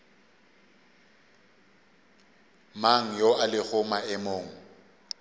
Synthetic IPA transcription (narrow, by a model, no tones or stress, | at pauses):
maŋ̩joalɪk͡xʰʊmaɛmoːŋ̩